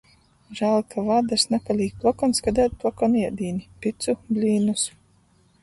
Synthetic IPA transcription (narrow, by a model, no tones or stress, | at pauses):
ʒæːlˠkʰavad̪asnɛpalʲiːk̚plˠɔkɔnskad̪ɛːt̪̚plˠɔkɔniɛd̪iːnipʲit̪sublʲiːnus